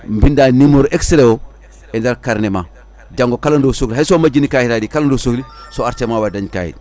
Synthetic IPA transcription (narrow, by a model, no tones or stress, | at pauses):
mbindanimoɾeksɾewo | endaɾkaɾnema | d͡ʒaŋɡokalandosukliɦaisomad͡ʒinikahiɾadikalandosoklisoaɾtemawadaɲka̰hḭd